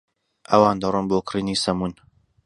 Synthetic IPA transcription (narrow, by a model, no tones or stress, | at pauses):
ʔɐ̰waːnd̪ɐrˤɨnboːkrinisɐmun